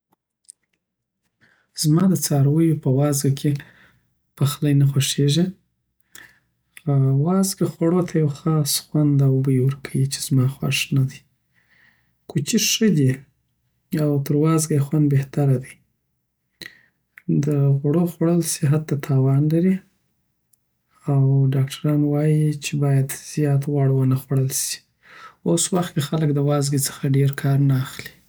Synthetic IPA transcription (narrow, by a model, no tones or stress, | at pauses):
z̥mɑd̪ət͡sɑɾawəjopəwɑzɡakʰe | pəxlajnaxoʂeʒi | xawɑzɡaxwaɽot̪ʰajawxɑsxwand̪awbəjiwəɾkʰawit͡ʃe̥z̥mɑxwa̰ʂnad̪əj | kʰut͡ʃiʂəd̪i | awt̪əɾwɑzɡajxwand̪̚beht̪aɾad̪əj | d̪əɣɽoxwaɽəlsiɦat̪ːat̪ʰɑwɑnlaɾi | awɖɑkʈʰaɾɑnwɑjit͡ʃebɑjad̪z̥jɑt̪ɣwaɽwənaxwaɽəlsi̥ | oswaxt̪kexaləkd̪əwɑzɡit͡sə̥xaɖeɾkʰɑɾnaːxli̥